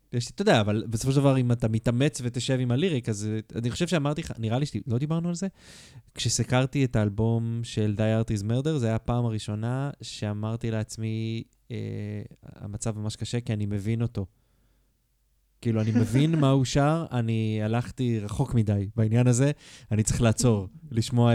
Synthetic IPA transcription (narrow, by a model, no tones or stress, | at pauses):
jeʃit̪odeaːvalbesofo̞ʃedavaʁimat̪amit̪ame̞t͡sve̞t̪eʃe̞vimaliʁikazaniχo̞ʃevʃeamaʁt̪iχa̰niʁaliʃilo̞d̪ibaʁnualze̞ | kʃesikaʁt̪ietaːlbo̞mʃe̞ld̪ajaʁt̪izmeʁd̪e̞ʁzajapaːmaʁiʃo̞naʃe̞amaʁt̪ileat͡smi | ḛ | a̰mat͡savmamaʃkaʃe̞kianime̞vino̞to̞ | kiːluanime̞vinmauʃaʁanialaχt̪iʁaχo̞kmidajbainjanaze̞anitt͡sʁi̥χlaːt͡so̞ʁliʃmo̞a